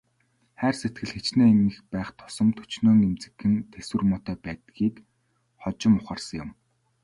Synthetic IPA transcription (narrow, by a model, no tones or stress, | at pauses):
χæːrset̪̚ɡɘ̆ɮxet͡ɕneːnɘ̆xpæːχt̪ʰʊ̥sɞ̆mt̪ʰɵ̥t͡ɕnoːŋemt͡sɘ̆kːɘ̆nt̪ʰeswɘ̆rmɔt̪œːpæːt̪ɡiːk | χɔt͡ɕɪ̆mʊχaːrsə̆ŋjʊ̆m